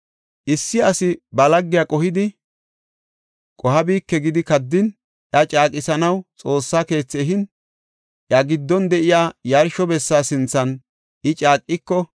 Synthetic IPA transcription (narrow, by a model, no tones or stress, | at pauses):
ʔɪsːɪɐsɪbɐlɐɡːɪjɐkʼɔhɪd̪ɪ | kʼɔɦɐbiːkːɛɡɪd̪ɪkɐd̪ːɪn | ʔjɐt͡ʃʼaːkʼːɪsɐnɐwt͡sʼo̞ːsːaːke̞ːt͡sːeɦɪn | ʔjɐɡɪd̪ːɔnd̪ɛʔɪjaːjɐɾʃɔbɛsːaːsɪnt͡sːɐn | ʔɪt͡ʃʼaːkʼːɪkːɔ